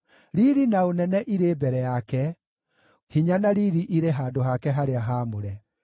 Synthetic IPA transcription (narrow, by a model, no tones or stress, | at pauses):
ɾiɾinaonɛnɛʔiɾeːbɛɾɛjakɛ | hiɲanaɾiɾiʔiɾeɦaːdoɦakɛɦaɾeaɦaːmoɾɛ